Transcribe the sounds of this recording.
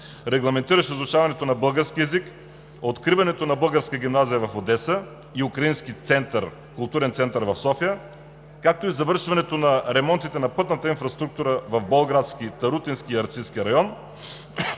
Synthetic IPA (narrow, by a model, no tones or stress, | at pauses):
ɾɛɡlˠɐmɛnt̪iɾɐʃɛizʊt͡ʃavɐnɛt̪onɐbɤlˠɡəɾskʲiɛzik | ot̪kɾivɐnɛt̪onɐbɤlˠɡəɾskəɡʲimnazijəvɐfod̪ɛsə | iukɾɐinskit̪sɛnt̪əɾ | kʊlˠt̪uɾɛnt̪sɛnt̪ɐɾvɐfsɔfijə | kak̚t̪oizɐvɤɾʃvɐnɛt̪onɐɾɛmɔnt̪it̪ɛnɐpɤt̪nət̪əinfɾɐst̪ɾuk̚t̪uɾəvɐvbolˠɡɾat̪skit̪ɐɾut̪inskʲiɐɾt̪siskʲiɾɐjɔn